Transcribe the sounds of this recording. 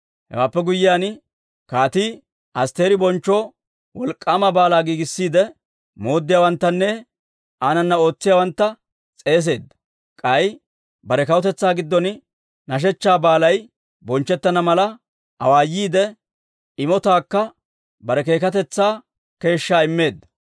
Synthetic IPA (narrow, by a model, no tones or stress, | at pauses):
hɛ̰waːpːɛɡʊjːɪjaːn | kaːt̪iː | ɐst̪e̞ːɾɪbɔnt͡ʃːoː | wɔlkʼːaːmɐbaːlaːɡiːɡɪsːiːd̪ɛ | mo̞ːd̪ːɪjaːwɐnt̪ːɐnːɛ | aːnɐnːɐo̞ːt͡sːɪjaːwɐnt̪ːɐ | t͡sʼe̞ːs̬e̞ːd̪ːɐ̥ | kʼɐj | bɐɾɛkɐwʊt̪ɛt͡sːaːɡɪd̪ːɔn | nɐʃ̬ɛt͡ʃːaːbaːlɐj | bɔnt͡ʃːɛt̪ːɐnɐmɐlɐ | ɐ̰waːjːiːd̪ɛ | ɪmɔt̪aːkːɐ | bɐɾɛke̞ːkɐt̪ɛt͡sːaː | ke̞ːʃːaːɪmːe̞ːd̪ːɐ̥